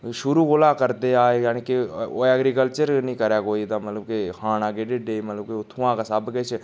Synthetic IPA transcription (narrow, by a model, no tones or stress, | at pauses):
ʃʊɾukʊlakəɾt̪eaːejaːnikeoɛːɡɾikəlt͡ʃəɾnĩːkəɾakoːit̪amət̪ləbkekaːnãːɡeɖeɖeːmət̪ləbkeʊt̪ʰuãkasəbket͡ʃʰ